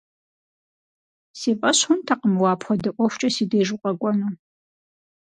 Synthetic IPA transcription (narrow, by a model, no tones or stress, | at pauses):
seːpʼɐɕħʊntʰaqəmwɑːpʰχʷɔdɨʔʷʼɔxʷt͡ʃʼɐsiːdeːʒʊqʼɐɡʷʼɔnu